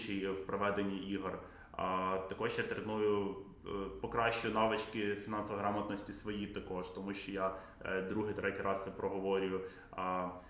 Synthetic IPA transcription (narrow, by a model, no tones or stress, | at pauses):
t͡ʃijwpɾɔʋɛd̪enʲːiʔiɦr | t̪ɐkɔʒjat̪ɾenujʊ | pɔkɾɑʃʲt͡ʃʊjʊnɑʋɪt͡ʃkɪfʲinɑnsɔʋɐɦɾɑmɐt̪nɔsʲtʲisʋɔjit̪ɐkɔʃt̪ɔmuʃʲt͡ʃɔja | d̪ɾuɦɪjt̪ɾʔɛtʲiɾɑsɛpɾɔɦɔʋɔɾʲʊjʊ